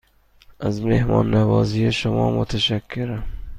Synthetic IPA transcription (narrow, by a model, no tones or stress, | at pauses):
azmehmɒːnːavɒːzijeʃʊmɒːmʊt̪ʰaʃakʰːeɾam